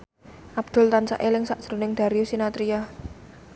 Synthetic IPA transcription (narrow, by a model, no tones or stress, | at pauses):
ʔab̥̚d̪̥ʊ̤lt̪ant͡ʃa̰ʔelɪŋsaʔd̥ʒ̥ɾo̤nɪŋd̪̥a̤ɾiusinat̪ɾia